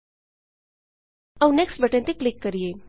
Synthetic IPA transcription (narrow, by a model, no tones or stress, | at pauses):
ɐwneksʈbəʈẽnt̪iklikːəɾije